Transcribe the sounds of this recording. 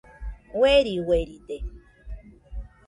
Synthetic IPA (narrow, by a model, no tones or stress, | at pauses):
weɾiweɾit̪e